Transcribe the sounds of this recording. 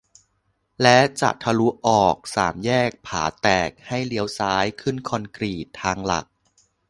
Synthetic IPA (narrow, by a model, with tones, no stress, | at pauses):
lɛ˦˥t͡ɕa̰˨˩t̪ʰa˧lu˦˥ʔɔː˨˩k̚saː˩˦mjɛː˥˩k̚pʰaː˩˦t̪ɛː˨˩k̚ha˥˩jli˦˥əwsaː˦˥jkʰɯ˥˩nkʰɔ˧nkɾiː˨˩t̪ʰːaː˧ŋla̰˨˩k̚